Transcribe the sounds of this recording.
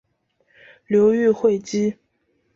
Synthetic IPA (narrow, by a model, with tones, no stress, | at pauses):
ljo˧˥ʊy˥˧xwe˥˩ɪt͡ɕi˥